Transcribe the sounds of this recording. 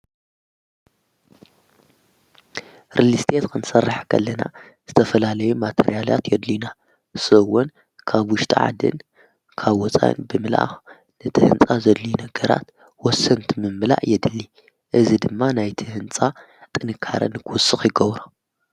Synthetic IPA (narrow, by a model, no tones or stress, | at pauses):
ɾʔilist̪ʰet̪kʰɨnsɐrːaħkʰɐ̰lːɐna̰ | z̥ɨt̪ʰɐfɐlalɐjumat̪ʰḛɾijala̰t̪jɛd̪lina | sɨwːʊn | kʰaβwʊʃt̪ʼḭʕa̰d̪ɨ̰n | kʰaβwɔt͡sʼa̰nbɨmɨlʔa̰ | nɨt̪ʰɨhɨ̰nt͡sʼazɐd̪linɐɡɐɾa̰t̪ | wɔsːɐnt̪ʰimɨmːɨla̰ʔjɛd̪ɨlːi | ʔɨzid̪ɨmːanajt̪ʰihɨnt͡sʼa | t̪ʼɨnɨkʰːa̰ɾɐ̰nɨkʰɨwʊsːɨxjɪɡɐβɾa